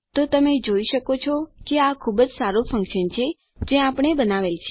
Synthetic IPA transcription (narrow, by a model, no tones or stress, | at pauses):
t̪ot̪əmed͡ʒoiʃəkot͡ʃʰɔkeakʰubd͡ʒsaɾofə̃ŋkʃənt͡ʃʰe | d͡ʒeapɳ̃ebənaʋelt͡ʃʰe